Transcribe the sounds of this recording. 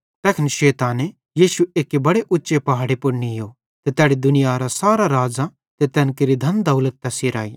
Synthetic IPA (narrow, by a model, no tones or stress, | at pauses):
t̪ɛːkʰnʃeːt̪aːne | jiːʃueːkebɐɽeʔʊtːʃepɐɦaːɽipʊɽnijoː | t̪et̪ɛːɽid̪ʊnɪjaɾasaːɾaɾaːd͡zã | t̪et̪ɛːnkeɾid̪ʱɐnd̪ɐʊlət̪ːɛsiɾa̰ːi